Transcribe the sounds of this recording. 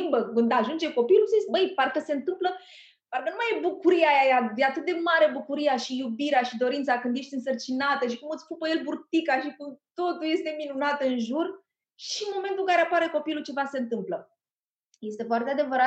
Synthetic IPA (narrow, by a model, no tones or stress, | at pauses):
imbəkɨnd̪aʒund͡ʒeko̞piluszisbəjparkəseɨnt̪ɨmplə | parkənumajebukuɾiajajajeat̪ɨt̪̚d̪e̞maɾe̞bukuɾiaʃijubiɾeaʃid̪o̞ɾint̪saɡɨnd̪eʃt̪ʲɨnsərt͡ʃinat̪əʃikumɨt̪sʲpupəje̞lburt̪ikaʃikut̪o̞t̪ulje̞st̪e̞minunat̪ɨnʒur | ʃinmo̞ment̪uŋkaɾe̞apaɾe̞ko̞pilut͡ʃe̞vase̞ɨnt̪ɨmplə | je̞st̪efoart̪ead̪e̞vəɾa